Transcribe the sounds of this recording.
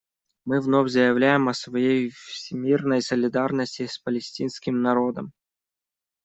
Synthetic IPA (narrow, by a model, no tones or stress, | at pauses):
mɨvnofʲzəjɪvlʲæjɪmɐsvɐjejfsʲɪmʲirnəjsəlʲɪd̪arnəsʲtʲɪspəlʲɪsʲtʲinskʲɪmnɐɾo̞d̪əm